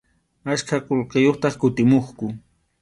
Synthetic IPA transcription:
askʰaqolqejoχt̪ɑχkʊt̪ɪmoχkʊ

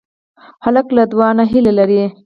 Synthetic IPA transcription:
halaklad̪wɑnaɦilelaɾi

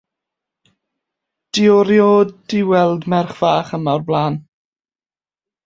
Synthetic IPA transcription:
d̥ɪɔɾjoːdɪwɛlˠdmɛrχv̥aːχəmarblˠaːn

